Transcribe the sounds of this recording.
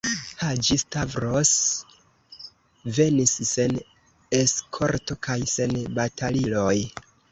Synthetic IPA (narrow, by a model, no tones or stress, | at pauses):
had͡ʒistavɾos | ve̞nisːen | eskʰo̞ɾto̞kʰajse̞nbatʰaliloj